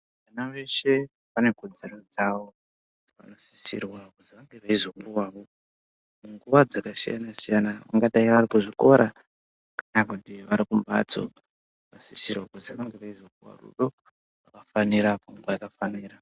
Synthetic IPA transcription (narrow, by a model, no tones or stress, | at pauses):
ʋanaʋe̞ʃe̞ | pane̞kod͡ze̞ro̞d͡zawo̞ | d͡zaka̰nosi̥sḭrwakuziʋaŋɡe̞ʋaizo̞kuwaːʋo̞ | muŋɡuʋad͡zakasija̰nasijanaʋa̰ŋɡaɗaiʋarikuʐiko̞ɾʔa | ʋakaɲakutiʋaɾikumba̰t͡so̞̰ | ʋasisirwakuziʋaŋɡe̞ʋaizo̞kuwa̰rṵɗo̞ | ʋakafaniɾapaŋɡuajakafaniːra